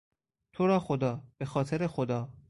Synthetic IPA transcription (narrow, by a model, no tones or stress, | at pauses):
t̪ʰoɾɒːxod̪ɒːb̥e̞xɒːt̪ʰeɾexod̪ɒː